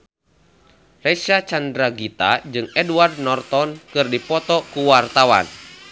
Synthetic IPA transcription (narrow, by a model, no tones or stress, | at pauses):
rɛsat͡ʃandɾaɡit̪a̰d͡ʒɨŋɛduard̪̚nɔrt̪ɔnkɨrdipɔt̪ɔkuwart̪awa̰n